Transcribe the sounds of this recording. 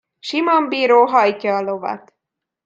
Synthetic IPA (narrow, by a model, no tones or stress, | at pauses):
ʃimombiːɾoːɦɒjcɒːlovɒ̰t̪